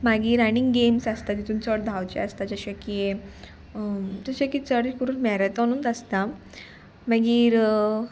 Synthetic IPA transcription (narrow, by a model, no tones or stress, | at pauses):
maɡiːɾaniŋɡɡemsast̪ad̪it̪uːnt͡sɔʈ̚d̪ʱawt͡ɕḛast̪ad͡ʑəɕakie | d͡ʑəɕakiːt͡səɽikuɾuːnmaɾat̪ɔnuːnt̪əst̪a | maɡiːɾ